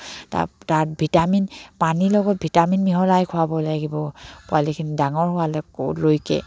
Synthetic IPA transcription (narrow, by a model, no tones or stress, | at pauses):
ta̰taɹbʱitaminpanilɔɡɔt̚bʱitaminmiɦɔlajkʰʊabɔlaɡibɔpʊalikʰinidaŋɔɹhʊwalɔ̰lojkɛ̰